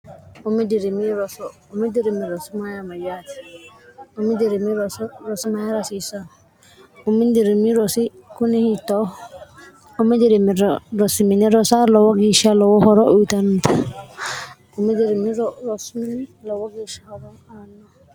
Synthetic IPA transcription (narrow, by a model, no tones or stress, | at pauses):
umidiɾimiɾɔsɔ | umidiɾimiɾɔsimajamajati̥ | umidiɾimiɾɔsɾɔsimajaɾasisa | umindiɾimiɾɔsi | kunihitɔ | umidiɾimiɾɾɔsiminiɾɔsalɔwɔɡiʃalɔwɔhɔɾɔʔoitanta | umidiɾimiɾɔsminlɔwɔɡiʃahɔɾɔanɔ